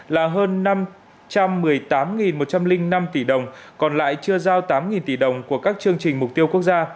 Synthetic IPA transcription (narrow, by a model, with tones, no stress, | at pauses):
laː˨˩ɦəː˧nːa˧m | t͡ɕa˧mːɨ˨˩əjt̪aː˨˦mŋi˨˩nmo˨˩t̚t͡ɕa˧mlï˧ŋ̟na˧mt̪i˧˩ɗə˨˩wŋ͡mkɔ˨˩nla̰ː˧˨jt͡ɕɨ˧əzaː˧wt̪aː˨˦mŋi˨˩nt̪i˧˩ɗə˨˩wŋ͡mku˧˩əkaː˦˥k̚t͡ɕɨ˧əŋt͡ɕï˨˩ŋ̟mʊ˨˩k͡p̚t̪i˧əwku˦˥ək̚zaː˧